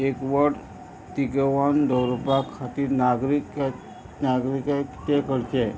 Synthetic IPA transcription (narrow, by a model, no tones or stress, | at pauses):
ekʋəɽ | t̪iɡəʋand̪əwɾopakʰat̪iːɾnaɡɾik | naɡɾikakt̪ekəɾt͡ʃe